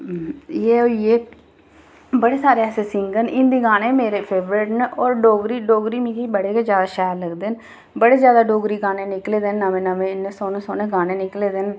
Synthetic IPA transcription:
jeːoieː | bəɽeːsaːɾeːɛːseːsɪŋɡənɪ̃nd̪iːɡaːneːmeːɾeːpʰeːbɾeːʈneʔɔːɾɖoːɡɾiːɖoːɡɾiːmĩːkibəɽeːked͡ʒjaːd̪aːʃɛːɾləɡd̪eːn | bəɽeːzjaːd̪aːɖoːɡɾiːɡaːneːnɪkleːd̪enːəʋẽːnəʋẽːɪnːeːsoːnẽːsoːnẽːɡaːneːnɪkleːd̪en

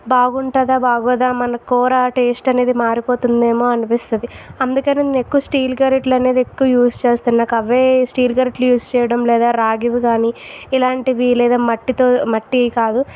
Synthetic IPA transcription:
baːɡuɳʈɐd̪aːbaːɡɔːd̪aːmɐnɐkɔːɾaʈe̞ːsʈɐne̞ːd̪imaːɾipo̞ːt̪und̪e̞ːmo̞ːɐnipist̪und̪iɐnd̪ukɐninːnekːuʋɐsʈiːlɡɐɾeʈlɐne̞ːd̪iekːuʋɐjuːst͡ʃeːst̪ɐnnaːkɐʋːeːsʈiːlɡɐɾeʈlujuːst͡ʃɛːjɐɽɐmlɛːd̪aːɾaːɡiʋiɡaːniilaːɳʈiʋilɛːd̪aːmɐʈːit̪o̞ːmɐʈːikaːd̪u

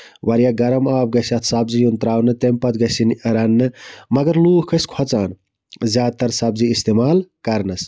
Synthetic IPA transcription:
ʋɐɾjaɡɐɾɐmaːbɡɐsjɐt̪ʰsɐbzijunt̪ɾaːwnɨt̪empɐt̪ɡɐsinɐɾɐnːɨmɐɡɐɾluːhkʰɐskʰɐt͡saːn | zʲjaːt̪ɐɾsɐb̚ziist̪emaːlkɐɾnɐs

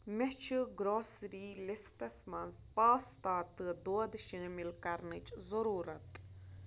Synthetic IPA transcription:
mʲet͡ʃʰɨɡɾoːsɾiːlesʈɐsmɐnzpaːst̪aːt̪ɨd̪oːd̪ʃiːmilkɐɾnɨt͡ʃzɐɾuːɾɐt̪

